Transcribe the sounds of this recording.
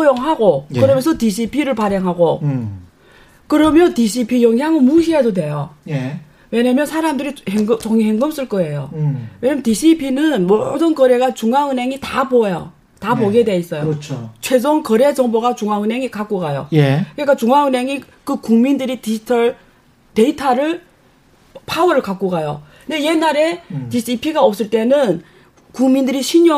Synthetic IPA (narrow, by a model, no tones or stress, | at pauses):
ojoŋɦaɡokɯɾʌmjʌnsʰʌtiɕʰipʰiɾɯɭpaɾjeŋɦaɡo | kɯɾʌmjʌntiɕʰipʰijʌŋjaŋɯmuɕʰiadodwe̞joje | we̞ɲamjʌnsʰaɾamdɯɾiheŋɡt͡ɕʌŋiheŋɡɯms͈ɯɭk͈ʌe̞jowe̞ɲamjntiɕʰipʰinɯnmodɯnkʌɾe̞ɡat͡ɕuŋaŋɯnɦe̞ŋitabojo | taboɡedeis͈ʌjot͡ɕʰot͡ɕʰwe̞d͡ʑoŋkʌɾe̞d͡ʑʌŋboɡat͡ɕuŋɦaŋɯne̞ŋikak͈oɡajo̰jekɯnik͈at͡ɕuŋaŋɯnɦe̞ŋi | kɯkuŋmindɯɾitid͡ʑitʰʌɭ | te̞itʰaɾɯɭ | pʰawʌɾɯɭkak͈oɡajo | ɯndeje̞nːaɾe̞tiɕʰiipʰiɡaʌps͈ɯɭt͈e̞nɯn | kuŋmindɯɾiɕʰiɲo